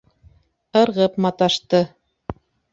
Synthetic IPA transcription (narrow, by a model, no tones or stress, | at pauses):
ɤ̆ɾʁɤpmɑt̪ɑʃt̪ɤ